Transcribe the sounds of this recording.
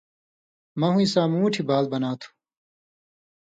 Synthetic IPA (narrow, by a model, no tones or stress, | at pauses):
mɐɦũisaːmũːʈʰibaːlbɐnaːt̪ʰu̥